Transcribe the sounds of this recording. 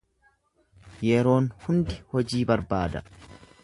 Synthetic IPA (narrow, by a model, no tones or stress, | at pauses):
jɛɾo̞ːnhʊnd̪ɪhɔd͡ʒiːbɐɾbaːd̪ɐ̰